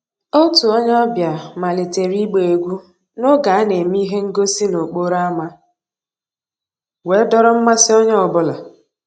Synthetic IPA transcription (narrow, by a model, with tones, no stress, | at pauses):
o˦tu˨ɔ˦ɲ˦ɔ˦bja˨ma˨le˨te˨ɾi˦ɡ͡be˨e˨ɡʷu˦ | no˦ɡa˨a˦ne˨mi˦ɦe˦ŋ̩˦ɡo˦si˦no˨k͡po˦ɾa˦a˦ma˦ | we˨˦dɔ˦ɾɔ˦m̩˦ma˦sɪ˦ɔ˦ɲ˦ɔ˨bʊ˦la˨